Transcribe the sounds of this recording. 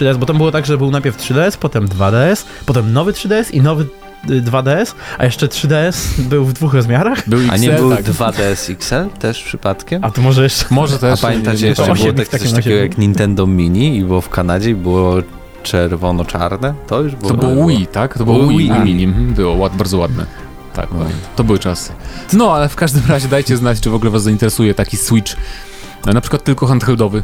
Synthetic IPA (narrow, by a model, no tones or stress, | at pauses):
ʂɨd̪ɛɛsbɔt̪ambɨwɔt̪aɡʐɛbɘwnajpʲjɛɾftʂɘd̪ɛɛspɔt̪ɛmd̪vad̪ɛɛs | pɔt̪ɛmnɔvɘtʂɨd̪ɛɛsinɔvɘ | d̪vad̪ɛɛsʔa̰jɛʂt͡ʂɛtʂɘd̪ɛɛsbɘwvd̪vuxɾɔzmʲjaɾaxbɘwia̰ɲɛbɘwd̪vad̪ɛɛsiksɛlt̪ɛʂpʂɘpat̪kʲɛmat̪ɔmɔʐɛjɛʂt͡ʂɛ̥mɔʐɛt̪ɛɔpamjɛnt̪at͡ɕɛjɛɔɕɛɔmɛk̪asɔt̪taɕɛɡɔjakɲint̪ɛnd̪ɔmʲiɲiibɨwɔfkanad͡ʑɛibɘwɔ | t͡ʂɛɾvɔnɔt͡ʂa̰ɾnɛt̪ɔjuʐbt̪ɔbɨwɔwit̪akt̪ɔbwiwimʲiɲim̩m̩bɘwɔwabaɾd̪zɔwad̪nɛ̰ | t̪a̰kɲɛ̰t̪ɔbɘwɘt͡ʂasɨ̥nɔalɛfkaʐd̪ɘmɾaʑɛd̪ajt͡ɕɛznat͡ɕt͡ʂɨvɔɡlɛvasːaint̪ɛɾɛsujɛt̪akʲiswit͡ʂ | napʂkwat̪ːɘlkɔxant̪xɛld̪ɔvɘ